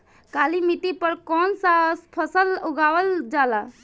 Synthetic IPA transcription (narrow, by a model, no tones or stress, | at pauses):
kaːlimit̪ipəɾkɔːnsaspʰəsəlʊɡaːwəld͡ʒaːlaː